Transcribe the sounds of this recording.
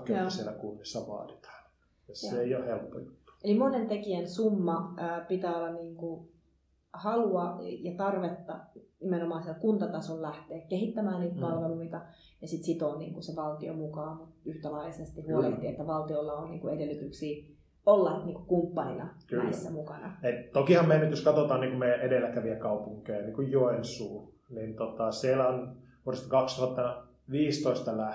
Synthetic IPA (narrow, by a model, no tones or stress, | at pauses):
kyæsielækunːesːɑʋɑ̰ːt̪i̥t̪ɑ̥ːn | jeseeijohelpːo̰ju̥t̪ːu̥elimonent̪ekiensumːɑːpit̪æːolːɑnniːŋku | hɑluɑjɑt̪ɑrʋet̪ːɑ̰nimenomɑːnsielkunt̪ɑt̪ɑsollæht̪eːkkehit̪ːæmæːnniːt̪pɑlʋeluit̪ɑ | jɑsit̪sit̪onnḭːŋkuseʋɑlt̪io̰mukɑːmut̪yht̪ælɑisest̪ihuolḛht̪iːet̪ːæʋɑlt̪iolːɑonniːŋkuedelːyt̪yksiː | olːɑniːŋkukumpːɑninɑ̰kyːisːæmukɑnɑet̪okihɑmmejænyt̪joskɑt̪ot̪ɑːnniːŋkummeæʔedelːækæʋiækɑupuŋkejɑniːŋkujjoensuː | nint̪ot̪ɑsielæon | uorest̪ɑkɑkst̪uhɑt̪ːɑɑ | ʋiːst̪oist̪ɑlæ